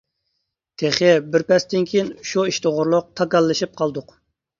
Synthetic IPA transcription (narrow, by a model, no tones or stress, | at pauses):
t̪ʰeχɪbɪɾpɛst̪ɪnkʲʰijinʃuiʃt̪ʰoʁʊɾlˠʊq̚t̪ʰɑkɑlˠːɨʃip̚qʰɑlˠd̪ʊq